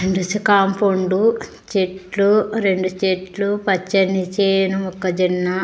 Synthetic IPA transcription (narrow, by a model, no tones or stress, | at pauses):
eɳɖusikaːmpoɳɖu | t͡ʃeʈluɾeɳɖut͡ʃeʈlupɐt͡ʃːɐnit͡ʃeːnuɔkːɐd͡ʒinːɐ